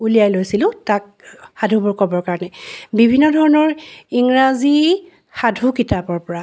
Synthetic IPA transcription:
ulijajlojsilʊ̃tak̚ | xadʱubuɹkɔbɔɹkaɹɔnɛbibʱinːɔdʱɔɹɔnɔɹiŋɹazi | xadʱukitapɔɹpɔɹa

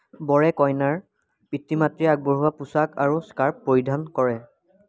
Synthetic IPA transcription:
bɔɹɛkɔjnaɹ | pitːimatɹiaɡ̚bɔɹɦuwapusakaɹuskaɹpːoɹidʱankɔɹɛ

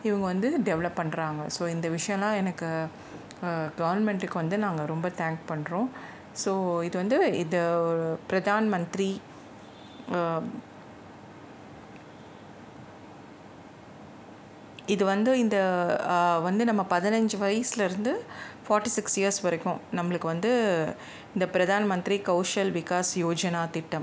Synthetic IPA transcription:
ɪʋɐŋɡɐʋɐnd̪ɯɖɛʋlɐpːɐɳːɾaːŋɡɐsoːɪnd̪ɐʋɪʂɐjɐ̃lãːɛnɐkːɯ | ɡɐʋɐɾnmɛɳʈɯkːɯʋɐnd̪ɯnaːŋɡɐɾɔmbɐt̪aːŋkpɐɳːɾõː | soːɪðɯʋɐnd̪ɯɪnd̪ɐɔɾɯpɪɾɐðaːnɐmɐnt̪ɾi | ɪðɯʋɐnd̪ɯɪnd̪ɐ | ʋɐnd̪ɯnɐmːɐpɐðɪnɐɲd͡ʒɯʋɐjɐsɪlɐɪɾɯnd̪ɯfaːɾʈːisɪksjijɐɾsʋɐɾɐkːʊ̃nɐmːɐɭɯkːɯʋɐnd̪ɯ | ɪnd̪ɐpɪɾɐðaːnɐmɐnt̪ɾikɐʊʂɐlʋɪkaːsjoːd͡ʒɐnaːt̪ɪʈːɐm

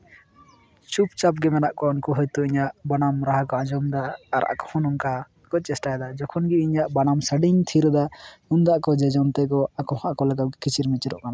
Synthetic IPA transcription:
t͡ʃupt͡ʃap̚ɡɛmɛnaʔkɔnkɔɦɔjt̪ɔiɲaʔbanamɾaɦakɔad͡ʒɔmd̪aːɾa̰kɔ̥hɔ̃nɔŋka | kɔt͡ʃɛsʈajd̪ad͡ʒɔkʰɔnɡiiɲaʔbanamsəɖiɲt̪ʰiɾɔd̪aund̪aʔkɔd͡ʒɛd͡ʒɔnt̪ɛkɔakɔhɔ̃ʔakɔlaɡakit͡ʃʰiɾmit͡ʃɾɔ̰ʔkana

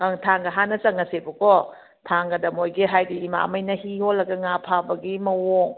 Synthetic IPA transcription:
ɐŋtʰaŋɡɐɦanɐsɐŋɐsebɐkɔ | tʰaŋɡɐdɐmojɡiɦajdiima̰ɐ̰mɐjnɐhiholːɐɡɐŋapʰabɐɡimɐwoŋ

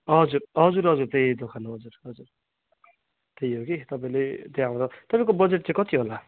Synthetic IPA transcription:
ʌd͡zuɾɦʌd͡zuɾɦʌd͡zurt̪ejd̪okʰanoɦʌd͡zurʌd͡zur | t̪ejɦokit̪ʌpaĩlet̪ejaw̃ɾʌt̪ʌpaĩkobʌd͡zeʈ̚t͡sãĩkʌt̪iɦola

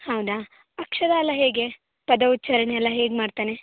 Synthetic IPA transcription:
hɐwd̪a | ɐkʂɐd̪aːlːɐɦeːɡe̞ | pɐd̪ɐut̪ːt͡ʃɐɾɐneɛlːɐɦeːɡmaːɽt̪aːne

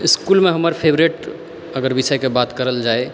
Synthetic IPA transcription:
iskulmeɦəməɾpʰebɾeʈ | əɡəɾbisəjkebat̪kəɾəld͡ʒae

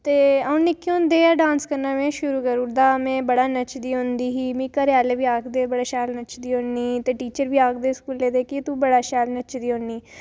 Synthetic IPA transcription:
t̪eːaũnɪkːõːnd̪eːɖãːnskəɾnaːmẽːʃʊɾuːkəɾud̪aːmɛ̃ːbəɽaːnət͡ʃd̪iːɦõnd̪iːɦiːmĩːkəɾjaːleːbiːaːkd̪eːbəɽaːʃaːlnət͡ʃd̪iːɦõniːt̪eːʈiːt͡ʃəɾbiːaːk̚d̪eːskuːlːeːd̪eːkit̪ubəɽaːʃaːlnət͡ʃd̪iːɦõniː

